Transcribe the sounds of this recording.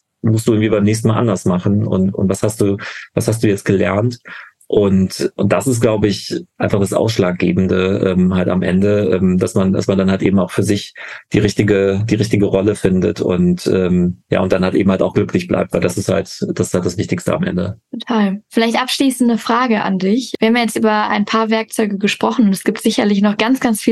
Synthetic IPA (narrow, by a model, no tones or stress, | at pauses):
mʊstd̥uːɪŋ̩tv̥iːbaɪmnɛːçstn̩maːlʔa̰ndɐsmaχn̩ʊ̰ntʊ̰ntv̥ashast̚d̥uːvashas̬td̥uːjɛt͡stɡ̥əlɛ̰ɐnt | ʔʊntʔʊntd̥asɪstɡ̥laʊbəɪçʔaɪnfaχd̥asʔa̰ʊsʃlaːk̚ɡ̥ḛːbm̩dəʔɛːmhaltamʔɛ̰ndəʔɛːmd̥asmanda̰smandanhaltʔeːbm̩aʊxfyːɐzɪçd̥iːʁɪçtɪɡəd̥iːʁɪçtɪɡəʁɔləfɪndə̰tʊ̰ntʔɛːmja̰ːʊntd̥anhaltʔḛːbm̩haltaʊxɡ̥lʏklɪçb̥lʔa̰ɪp̚tvaɪldasɪstha̰ltd̥asɪshalt̚d̥asv̥ɪçtɪçstə̰a̰mʔɛ̰ndə̰tʰotʰaːlfɪlaɪçtʔapʃliːsn̩dəfʁ̥aːɡəʔa̰ndɪçiɐhaːmjajɛt͡stʔyːbɐa̰ɪnpʰaːɐvɛɐk̚t͡sɔʏɡəɡəʃpʁ̥ɔχn̩ʊntɛsɡ̥iːp̚tz̥ɪçɐlɪçnɔχɡ̥ant͡sɡ̥ant͡sfiː